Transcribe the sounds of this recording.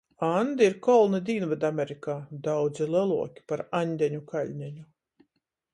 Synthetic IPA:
and̪iɾkɔlˠnid̪ʲiːnvad̪amʲeɾikaːd̪awd̪zilˠɛlˠuɔkʲi̥paɾanʲd̪ʲɛɲukalʲɲʲɛɲu

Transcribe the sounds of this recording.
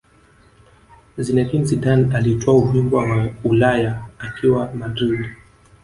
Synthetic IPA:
zinɛtinsidanalitɔauvimbwawaulajaːkiwamadɾid

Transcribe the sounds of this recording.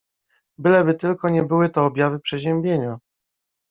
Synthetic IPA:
bɘlɛbɘt̪ɘlkɔɲɛbɘwɘt̪ɔːbʲjavɘpʂɛʑɛmbʲjeɲa

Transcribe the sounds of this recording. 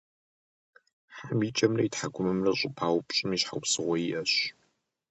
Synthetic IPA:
ħamit͡ʃʼɐmrɐjitħaɡʷʊmɨmrɐɕʼɪpʰaːwpʼɕʼɪmiɕħa̰wpsɨʁʷɔjiʔɐɕ

